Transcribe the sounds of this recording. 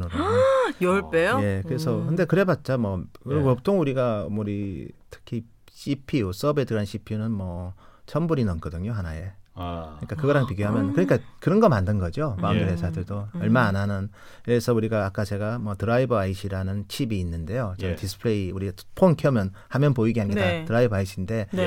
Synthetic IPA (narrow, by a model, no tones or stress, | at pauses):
nɯojoɭp͈ejoje̞kɯɾe̞sʰʌkʰɯnde̞kɯɾe̞bat̚t͡ɕ͈amwʌʌp̚tʰoŋuɾiɡaʌmuɾitʰɯ̥kʰi | ɕ͈ʰipʰius͈ʌbe̞dɯɾanɕʰipʰiunɯnmʌt͡ɕʰʌmbuɾinʌnk͈ʌdɯŋɲoɦanaje̞kɯɲik͈akɯɡʌɾaŋpiɡjoɦamjʌnkɯɲik͈akɯɾʌnɡʌmandɯnɡʌd͡ʑiomaŋɡɯɭɦe̞sʰadɯɭdoʌɭmaananɯn | esʰʌuɾiɡaːk͈at͡ɕe̞ɡamwʌtɯɾaibʌaiɕʰiɾanɯnt͡ɕʰibiːnːɯnde̞jot͡ɕeɡtisʰɯ̥pʰɭeiuɾiapʰonkʰjʌmjʌn | hamjʌnpoiɡeɦaɲɡitatɯɾaibʌaiɕʰinde̞